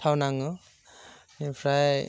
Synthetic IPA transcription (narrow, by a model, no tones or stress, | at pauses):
tʰawnaŋɯ | nipʰɾaj